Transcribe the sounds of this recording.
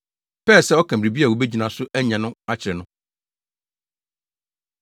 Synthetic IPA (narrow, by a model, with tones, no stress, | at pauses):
pʰɛː˦˨sɛ˦ɔ˦kʰã˨ɾi˨bi˦a˨wo˨be˦d͡ʑi˨nã˨sʊ˦ʔæ˦ɲã˨nʊ̃˦a˦t͡ɕʰɪ˨ɾɛ˨nʊ̃˦